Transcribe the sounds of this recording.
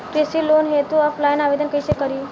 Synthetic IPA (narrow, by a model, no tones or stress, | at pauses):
kɾesilonɦet̪uəflajnaʋed̪ənkəjsekəɾi